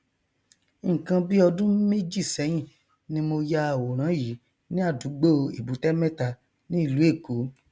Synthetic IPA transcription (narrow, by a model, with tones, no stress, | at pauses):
kã˧bi˦ɔ˧dũ˦me˦d͡ʒi˦˨sɛ˨˦j̃ĩ˦˨ | nĩ˧mo˧ja˦a˨wo˨ɾ̃ã˨˦ji˨˦ | nĩ˦a˦˨du˨˦ɡ͡bo˦˧i˨bu˨˦tɛ˦mɛ̃˦ta˧ | nĩ˦i˧˨lu˨˦e˦˨ku˨˦